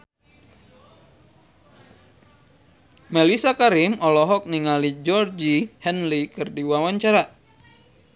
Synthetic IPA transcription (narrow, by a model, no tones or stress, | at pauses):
mɛlisakaɾimɔlɔɦɔk̚niŋalid͡ʒɔrd͡ʒihɛnlikɨrdiwawaɲt͡ʃaɾa